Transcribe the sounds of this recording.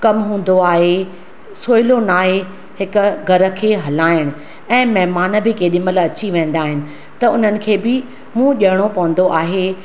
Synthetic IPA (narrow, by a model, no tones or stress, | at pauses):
kɐmɦũːn̆d̪oaːɦe | soːɪlonaːɦe | hɪkʊ̆ɡʱɐɾə̆kʰeːɦɐlaːɪɽ̃ʊ | ɛ̃ːmɐɦmaːnə̆bɪkeːɗɪməlɐt͡ɕiʋẽːn̆d̪aːɦɪnɪ̆ | t̪ɐʊn̤ənɪ̆kʰeːbɪ | mũːʄɐɪɽ̃opɐʋə̃n̆d̪oʔaːɦe